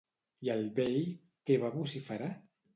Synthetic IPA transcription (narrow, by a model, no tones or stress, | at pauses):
jalβeʎ | keβaβusifaɾa